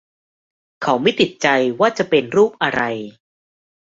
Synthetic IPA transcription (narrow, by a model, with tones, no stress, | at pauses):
kʰa˩˦wma˥˩jt̪ʰi˨˩t̪̚t͡ɕa˧jwaː˥˩t͡ɕa˨˩pe˧nɾuː˥˩p̚ʔa˧ɾa˧j